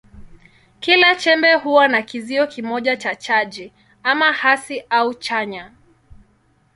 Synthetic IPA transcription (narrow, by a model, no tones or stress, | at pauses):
kilat͡ʃɛmbɛɦuwanakiziɔkimɔʄat͡ʃat͡ʃad͡ʒi | amahasiʔaut͡ʃaɲa